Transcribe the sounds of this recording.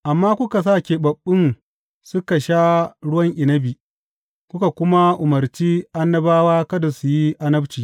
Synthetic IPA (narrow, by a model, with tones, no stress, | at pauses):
ʔa˨mːaː˦kʷʊ˦ka˨s̬aː˦˨kʲe˨bɐ˨ɓːɪ˦n | sʊ˦ka˨ʃaː˦ɽʊ˦wɐ˦ŋʔɪ˨nɐ˦bi˨ | kʷʊ˦ka˨kʷʊ˦ma˦ʔʊ˨mɐ˨rt͡ʃiː˦ʔa˦nːɐ˦baː˦waː˦kɐ˦da˨su˨ji˦ʔa˦nɐ˦bt͡ʃiː˨